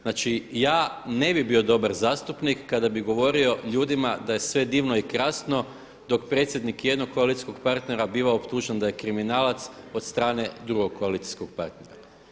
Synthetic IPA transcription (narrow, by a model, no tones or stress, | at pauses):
nat͡ʃijaːne̞bibio̞d̪o̞baɾzaːst̪upnikːad̪abiɡo̞ʋo̞ɾio̞ʎuːd̪imad̪aje̞sʋe̞d̪iːʋno̞ikɾaːsno̞ | d̪o̞kpɾe̞t̪sʲje̞d̪nikje̞d̪no̞kkːo̞alˠit̪i̥sko̞ɡpaɾt̪ne̞ɾabiːʋaopt̪uʒend̪aje̞kɾiminaːlat̪so̞t̪st̪ɾaːne̞d̪ɾuɡo̞kkʰːo̞alit̪i̥skoɡ̚paɾt̪neɾa